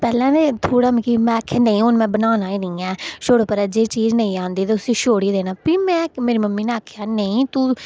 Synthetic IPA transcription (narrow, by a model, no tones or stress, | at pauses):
pɛːlɛ̃ːneːt̪ʰoːɽaːmikimɛ̃ːakʰːaːnəĩːʊnmɛ̃ːbənaːnaːiːnɪĩːɛːʃoːɽoːpəɾɛd͡ʒeːt͡ʃiːd͡ʒnəĩːãːnd̪iːt̪eːʊsĩːʃoːɽiːd̪eːnaːpiːmɛ̃ːmeːɾiːməmːiːnẽːəkʰjaːnəĩːt̪uː